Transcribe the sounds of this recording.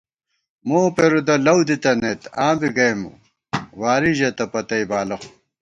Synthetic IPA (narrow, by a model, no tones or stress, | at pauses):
moːpeɾud̪ɐlɐwd̪it̪ɐnet̪aːbiɡɐjmṵ | waːɾiʑet̪ɐpɐt̪ɐjbaːlɐxu̥